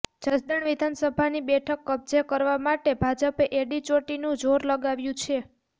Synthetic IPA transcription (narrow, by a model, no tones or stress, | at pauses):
d͡ʒəsd̪əɳʋid̪ʱansəbʱanibɛʈʰəkːəb̚d͡ʒekəɾʋamaʈebʱad͡ʒəpeʔeɖit͡ʃoʈinũd͡ʒoɾləɡaʋjũt͡ʃʰe